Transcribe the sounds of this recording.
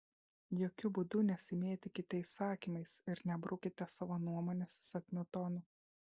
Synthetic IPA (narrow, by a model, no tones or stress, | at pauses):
joːkʲʊbud̪ʊnʲɛsʲɪmʲeːt̪ʲɪkʲɪt̪ʲɛɪsɑːkʲiːmɐɪsɪɾnʲɛbɾʔʊkʲɪt̪ʲɛsɑːʋoːnuɔmoːnʲɛssɐk̪ʲmʲʊt̪ɔːnʊ